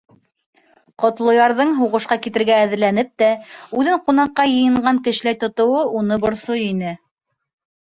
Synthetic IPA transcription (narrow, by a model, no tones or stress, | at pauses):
qŏt̪lˠŏjɑɾðɤɴɦuʁɤ̆ʃqɑkit̪ɘ̆ɾɡæːðɘ̆ɾlænɘp̚t̪æʉðɘɴqunɑqːɑjɤ̆jɤ̆ɴɢɑŋkɘ̆ʃ̆læjt̪ŏt̪ŏwɤʔunɤbŏɾsojinɘ